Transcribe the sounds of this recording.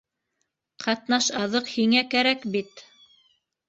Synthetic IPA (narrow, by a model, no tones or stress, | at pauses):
qʰɑt̪nɑʃɑðɤqhiŋækæɾækbit̪